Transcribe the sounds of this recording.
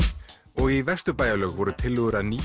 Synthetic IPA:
ɔɣivɛr̥st̪ʏpaːjalœːɣvɔɾʏt̪ʰɪlːʏɣʏɾaniː

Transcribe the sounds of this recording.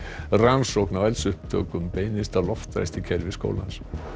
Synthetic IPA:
ransowknawɛlsʏhpt̪ʰœ̰ːkʏmpeːjnɪst̪alɔft̪ɾa̰jst̪icʰɛɾvɪsko̰ːwla̰ns

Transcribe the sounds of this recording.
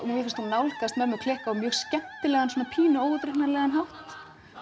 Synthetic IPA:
vkfast̪unawlkast̪mɛɾmɛkʰlɛːhkaamjœːɣscɛm̥t̪ɪlɛːɣansoːnapʰiːnʏoːwɣʏt̪ɾɛhnaɾlɛɣanɦawht̪

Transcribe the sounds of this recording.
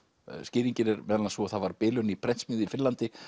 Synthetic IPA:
scɪːɾiɲcɪnɪɾmɛːðalasvɔθaðvaɾpɪːlʏnipʰɾɛnsmɪːðʏifɪnlant̪ɪ

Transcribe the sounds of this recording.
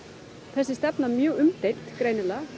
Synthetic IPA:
θɛsːɪst̪ɛpnamjœːɣʏmt̪ejl̥t̪kɾeːjnʏla

